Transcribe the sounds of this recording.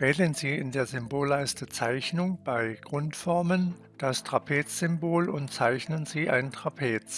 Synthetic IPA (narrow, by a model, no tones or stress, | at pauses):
v̥ɛːdənziːɪndeːɐzʏmboːlaɪstət͡saɪçnʊŋb̥aɪɡ̥ʁʊntfɔɐmən | d̥astʁ̥apʰeːt͡sz̥ʏmboːlʊntt͡saɪçnənziːʔa̰ɪnətʁ̥apʰeːt͡s